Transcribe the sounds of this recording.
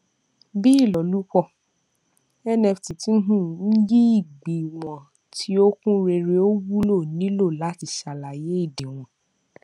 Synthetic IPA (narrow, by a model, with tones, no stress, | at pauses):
bi˦i˦˨lɔ˨lu˦kɔ˦˨ | ɛ˦nɛ˧fti˨tĩ˦n̩˦ɦũ˦˨n̩˦ji˦i˦˨ɡ͡bi˨mɔ̃˨ | tʰi˨˦o˦kũ˦ɾe˧ɾe˧o˦wu˦lo˦˨nĩ˨˦lo˦˨la˨˦ti˧˨ʃa˨la˨je˨˦i˦˨di˨w̃ɔ̃˨